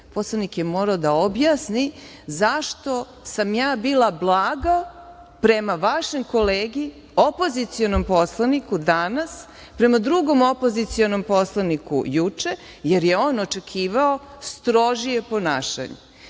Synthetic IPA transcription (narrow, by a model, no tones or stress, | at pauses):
poslˠanikjemo̞ɾaod̪aobjaːsni | zaʃt̪o̞ | samjaːbiːlˠablˠaːɡa | pɾe̞maʋaʃemko̞leːɡi | opo̞zit̪sio̞nompo̞slˠanikud̪anas | pɾe̞mad̪ɾuɡo̞mopo̞zit̪sionompo̞slˠanikṵjut͡ʂe̞ | jeɾje̞oːnot͡ʃe̞kʰiːʋao̞st̪ɾo̞ʒije̞po̞na̰ːʃa̰ɲḛ